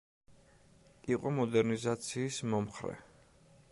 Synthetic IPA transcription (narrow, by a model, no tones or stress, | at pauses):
iqʼɔmɔd̪ɛɾnizat̪sʰiːsmɔmχɾɛ̰